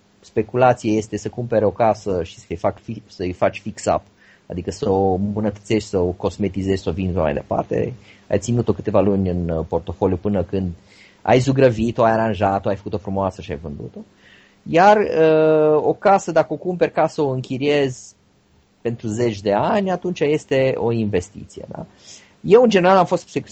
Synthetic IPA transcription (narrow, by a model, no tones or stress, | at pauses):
spe̞kulat̪sijaje̞st̪e̞səkumpe̞ɾo̞kasəʃi̥səjfakfisəɨjfat͡ʃʲfiksa̰p | a̰d̪ikəsəoɨmbunət̪ət̪sie̞ʃt̪ʲsəoko̞zme̞t̪ize̞ʒʲsəovinʃama̰jd̪e̞̰pa̰rt̪e̞̰a̰jt̪sinut̪o̞kɨ̥t̪e̞valunʲɨnpo̞rt̪o̞fo̞lʲjupɨnəkɨnd̪ | a̰jzuɡɾəvit̪oajaɾanʒat̪oajfə̥kut̪ofɾumoasəʃia̰jvɨnd̪ṵt̪o̞ | jarəo̞kasəd̪akəo̞kumpe̞rkasəoɨŋkʲiɾie̞z | pe̞nt̪ɾuze̞t͡ʃʲd̪e̞anʲat̪unt͡ʃaje̞st̪e̞o̞inve̞st̪ḭt̪sije̞̰d̪a̰ | je̞wɨnd͡ʒee̞ɾalamfo̞st̪seku